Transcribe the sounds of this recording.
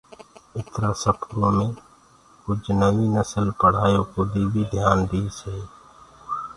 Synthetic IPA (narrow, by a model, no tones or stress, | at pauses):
ɪt̪ɾasəpʰɾõmẽ | kʊt͡ʃʰnəwinəsəlpəɽ̤aːjõkod̪iːbid̪ʱjaːnd̪iːseː